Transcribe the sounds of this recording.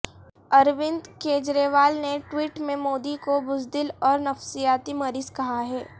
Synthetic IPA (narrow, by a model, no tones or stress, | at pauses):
ɐɾʋɪ̃nd̪keːd͡ʒɾeːʋaːlneʈwiːʈmẽmoːd̪ikobʊzd̪ɪlɔːɾnɐfsijaːt̪imɐɾiːzkɐɦaɦɛː